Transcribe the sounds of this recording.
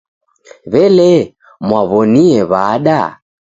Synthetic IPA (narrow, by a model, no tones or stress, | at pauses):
βɛlɛ | mwaβɔniɛβaːɗa